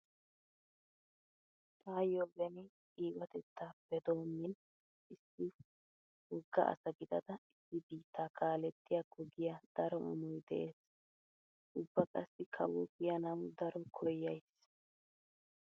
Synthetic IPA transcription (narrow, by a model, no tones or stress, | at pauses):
t̪ʼaːjoːbɛnɪ | iːwɐt̪ɛt̪ːab̥ɛd̪oːmːɪn | ʔɪsːɪ | hʊɡːɐ̰ʔɐ̰sɐɡɪd̪ɐd̪ɐɪsːɪbiːt̪ːaːkʰaːlɛt̪ːɪjaɡʊɡɪjɐd̪̥ɐɾɔʔɔ̰mɔjd̪ɛʔeːs | ʔʊbːɐkʼɐsːɪkʰɐ̰wɔɡɪjɐnɐwd̪ɐɾɔkʰɔjːɐjs